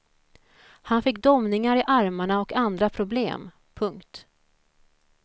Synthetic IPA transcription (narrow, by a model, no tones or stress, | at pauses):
hanfɪkːd̪ɔmnɪŋaɾɪʔaɾmaɳaɔkand̪ɾapʰɾʊblḛːm | pʰɵŋkt̪